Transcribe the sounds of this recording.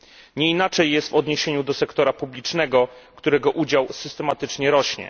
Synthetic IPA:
ɲɛinat͡ʂɛjːɛst̪vɔd̪ɲeɕeɲud̪ɔsɛkt̪ɔɾapublʲit͡ʂnɛɡɔkt̪uɾɛɡɔʔud͡ʑawsɘst̪ɛmat̪ɘt͡ʂɲɛɾɔɕɲɛ̰

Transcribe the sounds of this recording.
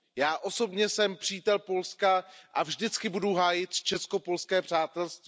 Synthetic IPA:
jaːʔo̞so̞bɲɛsɛmpr̝̥iːt̪ɛlpo̞lskaʔavʒdɪt͡skɪbuduɦaːjɪt̪t͡ʃɛsko̞po̞lskɛːpr̝̥aːt̪ɛlst̪v

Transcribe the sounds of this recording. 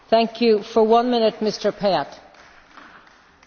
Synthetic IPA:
θæ̃ŋkʰjʉfə˞wʌ̃nmɪ̃nɨt̚mɪstə˞pʰɛət

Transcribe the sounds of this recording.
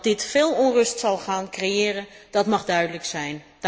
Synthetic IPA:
dɪtfɪːlˠɔnrɵstsɑlˠχaːnkrejɪːrəd̥ɑtmɑχdœɥdələksɛjn

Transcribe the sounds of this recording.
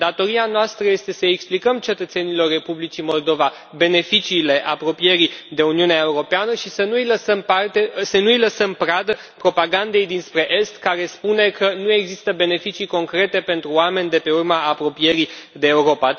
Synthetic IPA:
d̪at̪o̞ɾianoast̪ɾəje̞st̪e̞səeksplikəmt͡ʃe̞t̪ət̪senilo̞rːe̞publit͡ʃimo̞ld̪o̞va | be̞ne̞fit͡ʃiːle̞ʔapɾo̞pije̞ɾid̪e̞uniuneae̞uɾo̞peanəʃisənuiləsəmpart̪esənujləsəmpɾad̪ə | pɾo̞paɡand̪e̞jd̪inspɾe̞ʔe̞st̪kaɾe̞spune̞kənue̞ɡzist̪əbe̞ne̞fit͡ʃiko̞ŋkɾe̞t̪e̞pe̞nt̪ɾuoame̞nʲd̪e̞pe̞urmaːpɾo̞pije̞ɾid̪e̞ːuɾo̞pa

